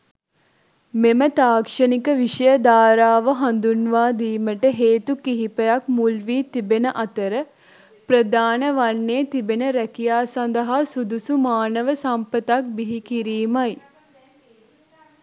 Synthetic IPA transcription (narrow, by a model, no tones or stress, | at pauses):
memət̪aːkʂənikəʋiʂəjəd̪aːɾaːʋəɦand̪unʋaːd̪iːməʈəɦeːt̪ukiɦipəjak̚mulʋiːt̪ibenəʔat̪əɾə | pɾəd̪aːnəʋanːeːt̪ibenəɾækijaːsand̪əɦasud̪usumaːnəʋəsampət̪ak̚biɦikiɾiːmaj